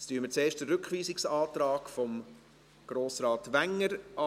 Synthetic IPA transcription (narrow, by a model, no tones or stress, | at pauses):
styəmət͡seːʃdəɾʏkχʋiːsɪksɑːt̪ɾɑːkfɔm | ɡ̥ɾoːsɾɑːtʋæŋːəɾʔɑ